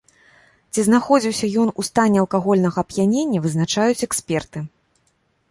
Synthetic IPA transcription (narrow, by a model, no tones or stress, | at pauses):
t͡sʲiznaxɔd͡zʲiwsʲɐjɔnust̪anʲːɛɐlˠkaɣɔlʲnɐɣɐːpjanʲenʲːɐvɨznat͡ʂajut͡sʲɛksʲpʲɛrt̪ɨ